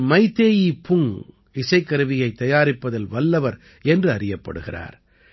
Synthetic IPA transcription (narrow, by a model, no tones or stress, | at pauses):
mɐɪt̪ːeːjipʊŋ | ɪsɐɪkːɐɾɯʋɪjɐɪt̪ːɐjaːɾɪpːɐðɐlʋɐlːɐʋɐɾ | ɛndrɯɐrɪjɐpːɐ̰ɽɯɣɪra̰ːɾ